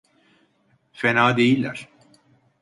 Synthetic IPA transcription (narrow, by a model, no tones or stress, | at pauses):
fenaːd̪ejilʲːæ̰ɾ̥